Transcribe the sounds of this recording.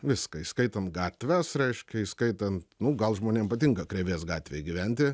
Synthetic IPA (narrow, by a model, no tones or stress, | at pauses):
ʋʲɪskɐiskɐɪt̪ɐnt̪̚ɡɑːt̪ʲʋʲæsɾʲɛɪʃʲkʲɛiskɐɪt̪ɐnt̪nʊɡɐlˠʒmoːnʲeːmpɐt̪ʲɪŋkɐkɾʲeːʋʲeːsɡɑːt̪ʲʋʲeɪɡʲɪʋʲɛnʲt̪ʲɪ